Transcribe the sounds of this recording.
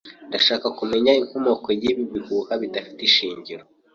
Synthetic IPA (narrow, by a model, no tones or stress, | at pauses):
ndaʃaːkakume̞ɲaiŋhomokojiβiβihuhaβidafi̥tiʃiːɲɟiɾo